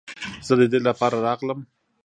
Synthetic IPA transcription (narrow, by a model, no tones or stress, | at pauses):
z̥əd̪əd̪elapɑɾaɾɑɣləm